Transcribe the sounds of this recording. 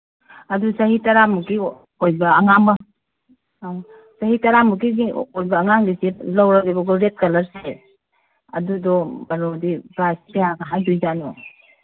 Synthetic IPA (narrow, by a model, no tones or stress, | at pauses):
ɐdusɐhitɐɾamuɡi | ojbɐːŋambɐ | sɐɦitɐɾamuɡiɡiojbɐːŋaŋdiselɐwɾakibɐɡɔɾet̚kɐlɐɾse | ɐ̰dudɔbɐnodibasehaɡɐɦajdujd͡ʒanɔ